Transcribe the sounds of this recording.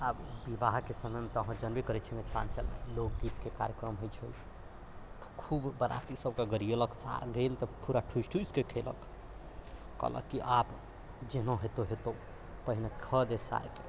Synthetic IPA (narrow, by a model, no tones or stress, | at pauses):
abbibaɦkesəməjmet̪əɦə̃d͡ʒənbikəɾɛt͡ʃʰimet̪ʰla̰nt͡ʃə̰lḛlok̚ɡit̪kekaɾjəkɾəmɦojt͡ʃʰəj | kʰubbəɾa̰t̪isəb̚keɡəɾieləksa̰ɾɡelt̪ɔpuɾaʈʰusʈʰuskekʰelə̰k | ə̰lə̰kːiʔap | d͡ʒenõɦet̪oɦet̪o | pəɦinekʰəd̪esa̰ɾke